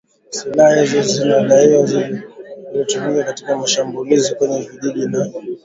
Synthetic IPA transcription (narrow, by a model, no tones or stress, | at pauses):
silahahizɔzinaɗaiwazi | lɔtumiakati̥kamaʃambulizikwɛɲɛviʄiɗinanɔ